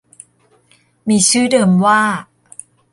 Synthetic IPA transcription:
miː˧t͡ɕʰɯː˥˩dɤː˧mwaː˥˩

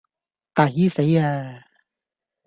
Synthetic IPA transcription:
t̪aː˨˩hi˦˥se˨˥jaː˧

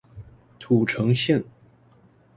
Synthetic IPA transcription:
t̪ʰu˨˩ʈ͡ʂʰɤ˧˥ŋɕi˥˩n

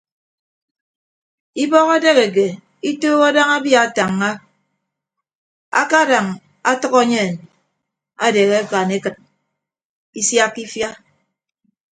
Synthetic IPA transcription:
i˦bɔ˦ɣa˦de˦ɣe˨k̬e˨ | i˦toː˦ɣa˦da˦ŋa˦bja˦a˨ta˨ŋːa˦ | a̰˦ka˦da˨ŋ | a˦tʌ˦kɔ˦ɲe˦˨n | a˦de˨ɣe˦a˦ka˨ne˦kɨ˨t̚ | i˦sja˦kːi˦fja˦

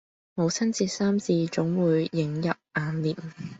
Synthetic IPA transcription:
mo˨˧wt͡sʰɐ˥nt͡siː˧t̚saː˥mt͡siː˧t͡ʃʊ˨˥ŋwuː˨˧jːɪ˨˥ŋjɐ˨p̚ʔaː˨˧nliː˨˩m

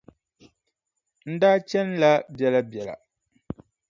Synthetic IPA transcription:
n̩˦daː˦t͡ʃɛ˦n˦la˦bjɛ˨la˦bjɛ˨la̰˨

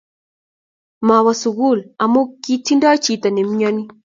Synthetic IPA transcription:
ma˨wa˨su˨ɣu˦˨la˨mo˦kːi˦ti˦ndɔ˦t͡ʃi˨ta˨nɛ˨m˦ɲɔ˦ni˦

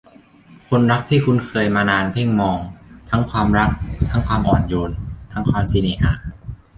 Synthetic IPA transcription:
kʰo˧nɾa˦˥k̚t̪ʰiː˥˩kʰu˧nkʰɤː˧jmaː˧naː˧npʰe˥˩ŋmɔː˧ŋt̪ʰa˦˥ŋkʰwaː˧mɾa˦˥k̚t̪ʰa˦˥ŋkʰwaː˧mʔɔː˨˩njoː˧nt̪ʰa˦˥ŋkʰwaː˧msiː˧niː˧˩ʔa̰ː˧˩

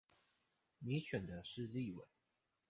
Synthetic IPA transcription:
mi˧˥ɕɥɛ˨˩nd̪ə˦ʂɻ̩˥˧li˥˩wḛ˨˩˦ɪ

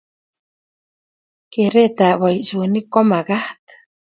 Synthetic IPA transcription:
ke˨ɾe˦t̪a˨wa˨i˨so˨ni˦kɔ˦ma˨ɣa˦t̪

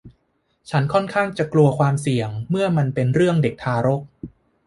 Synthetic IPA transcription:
t͡ɕʰa˦˥nkʰɔ˥˩nkʰaː˥˩ŋt͡ɕa˨˩klu˧ɐkʰwaː˧msi˨˩əŋmɯ˥˩ɐma˧npe˧nɾɯ˥˩əŋde˨˩k̚t̪ʰaː˧ɾo˦˥k̚

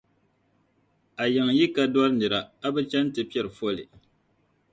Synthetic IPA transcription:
a˨jɛ˨ŋji˦ka˦dɔ˦ɾɨ˦nɨ˨ɾa˨a˦bɨ˦t͡ʃɛ˦n˦tɨ˨pi˦ɛ˦˨ɾɨ˨fo˦lɨ̰˨

